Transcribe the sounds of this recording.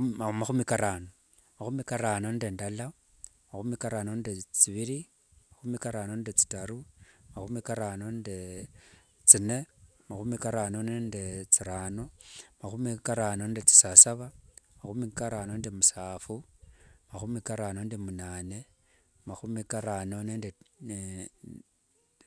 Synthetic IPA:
maxumikaɾaːno | maxumikaɾaːnondendala | maxumikaɾanondet͡siβiɾi | maxumikaɾanondet͡si̥taɾumaxumikaɾanonde | t͡sine̞ | maxumikaɾanonendet͡siɾaːno̞maxumikaɾaːnondet͡si̥sasaβamaxumikaɾaːno̞ndemusaːfumaxumikaɾaːno̞ndimunaːne̞ | maxumikaɾano̞neːnden

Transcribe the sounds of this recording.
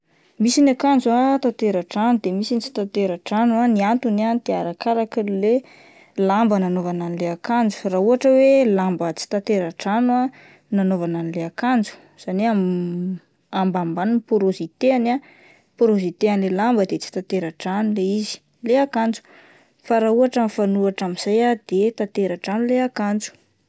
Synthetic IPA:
misinakand͡zuat̪at̪eɾaʈ͡ʂanud̪emisinit͡si̥t̪at̪eɾaʈ͡ʂanuaniant̪unant̪iaɾakaɾakile | lambənanovananileakand͡zu̥rauɦaʈ͡ʂəwelambət͡si̥t̪at̪eɾaʈ͡ʂanwa | nanovananileakand͡zu̥ | z̥aneam | ambambanunpoɾozit̪eana | poɾozit̪eanlelambəd̪et͡si̥t̪at̪eɾaʈ͡ʂanuleizi̥ | leakand͡zu̥ | faɾauaʈ͡ʂamifanuaʈ͡ʂamiz̥ajad̪̥et̪at̪eɾaʈ͡ʂanuleakand͡zu̥

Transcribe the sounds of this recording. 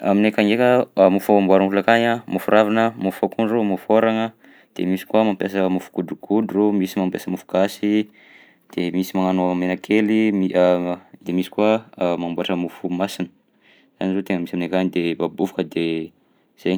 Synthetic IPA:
a̰minekaŋekʲəmufaambuaɾaŋulakaɲamufuɾʔavanəmufakunomufoɾaŋə | d̪̥ḛmisi̥kuamampjas̬əmufu̥ɡ̥ud̪ukʰud̪uromisimampjasəmufu̥kasi | d̪̥emisimaŋanoəmenakʰelimi | d̪̥emisi̥kwamambuaʈ͡ʂəmufumasinə̥ | z̥a̰nizot̪eŋəmisaminekanid̪ebabuvukəd̪e | z̥ej

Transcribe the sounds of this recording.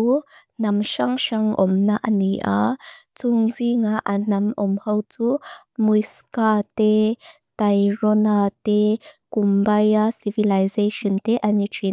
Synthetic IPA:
u | namʃaŋʃaŋɔ̰mnaʔaniʔa̰t͡suŋziŋaʔanamɔmhəwt͡su | mujskate | tajɾɔnatekumbajasivilajzeʃɔnteʔanitʰi

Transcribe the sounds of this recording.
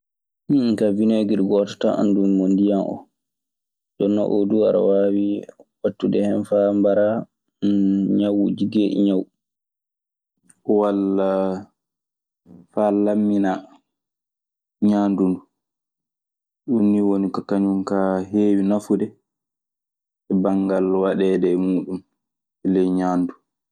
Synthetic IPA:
niŋkavinɔjɡiɾɡɔtɔ̥taʔa̰ndunmondijanʔɔ̰ | dɔnːa̰ʔo̰dua̰ɾa̰waːwiwatːudɛhɛnfambaɾa | ɲawṵd͡ʒiɡeʔḭɲaw | walːa | falamːina | ɲaːndundu | ɗunːiwonikɔkaɲunkaɦeːwinafudɛ | ɛbaŋɡalwaɗɛdɛmuːɗum | ɛlɛjɲaːndu

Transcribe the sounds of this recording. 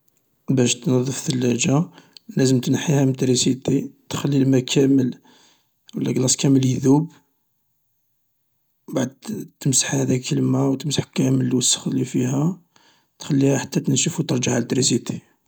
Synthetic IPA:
bæʃt̪nɑðˤːəfθəlːæd͡ʒælæzəmt̪nħihæmt̪ɾisit̪it̪xælːilmækʰæməl | wəlːæɡlɑsˤkæməljðub | baʕd̪̚t̪əmsə̥ħhæd̪ækʰəlmæwt̪əmsəħkæməlwəsːə̥xlifiɦæ | t̪xælːihæħat̪ːæt̪ənʃəfut̪əɾˤʒaʕalt̪ɾisit̪i

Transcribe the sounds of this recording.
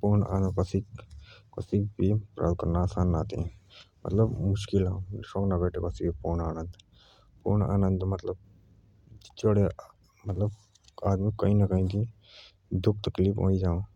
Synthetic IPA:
puːɾna̰ːnkəsikkɐsik̚bipɾʔa̰ːd̪̚kɐɾnaːsaːnːaːt̪ẽmɐ̰t̪ləbmʊʃkilãʃoːknabeːʈʰekəsibipuɾnaːnənd̪ | pṵɾna̰ːnənd̪mɐt̪ləb̚ | t͡ʃoɽe | mɐt̪ləb | aːd̪mikːɐɦĩnɐkɐɦĩk̪i | d̪uk̚ʰt̪ɐklipɦo̰ːid͡ʒaːõ

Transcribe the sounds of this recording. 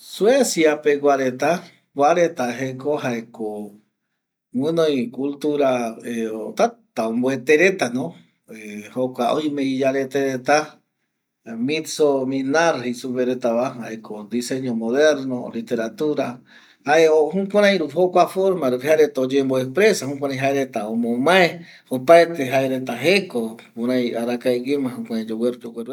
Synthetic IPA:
swesjapeɡʷaɾet̪a | ɡʷaɾet̪aɦekohaeko | wɨ̃nõjkult̪uɾaeot̪at̪aomboet̪eɾet̪anõ | ehokʷaojmeid͡ʒaɾet̪eɾet̪a | mĩsomĩnaɾhejsupeɾet̪aβaɦaekʰod̪iseɲomoðeɾnolit̪eɾat̪uɾa | haeoɦũkʷãɾãj̃ɾuɦokʷafoɾmãɾhaɾet̪aod͡ʒemboepɾesaɦũkʷãɾãj̃ɦaeɾet̪aomõmãe | opaet̪eɦaeɾet̪aɦekokõɾãj̃aɾakaeɡemãhũkʷãɾãd͡ʒoweɾud͡ʒoweɾ

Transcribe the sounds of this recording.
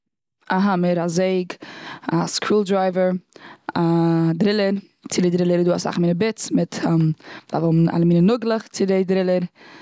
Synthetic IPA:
aɦaməɾazeɪɡaskɾuːlˠdɾaɪvəɾadɾɪlˠəɾ | t͡sɪdɪdɾɪlˠəɾduːasa̰χmiːnəbɪt͡smɪtʰːmba̰voma̰lˠəmiːnənʊɡlˠəχt͡sɪdɪdɾɪlˠəɾ

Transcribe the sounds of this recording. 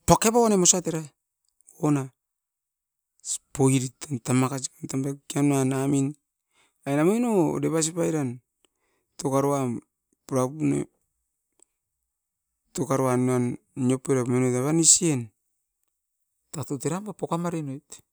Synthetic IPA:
pakepawanemosateɾa | ona | spoiɾitantamakasikantamakianoanamin | ajnamojno̰deβas̬ipajɾan | tokaɾoa | pɾapunḛ | tokaɾoanan | iopeɾamonojtaβanisien | tatoteɾambapokamaɾenojt

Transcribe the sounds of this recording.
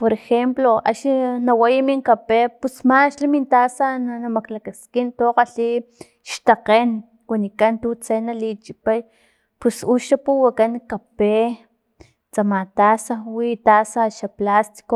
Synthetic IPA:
poɾexemploa̰ʃinawajimiŋkapepusmaʃlamint̪asananamaklakaskint̪oqaɬi | ʃt̪aqeːn | wanikant̪ut͡senalit͡ʃipaj | pusuʃapuwakankape | t͡samat̪asawit̪asaʃaplast̪i̥ko

